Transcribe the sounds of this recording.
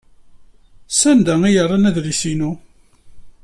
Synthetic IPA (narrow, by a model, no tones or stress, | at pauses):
sænd̪æŋijərˤːɑnæðɾisinu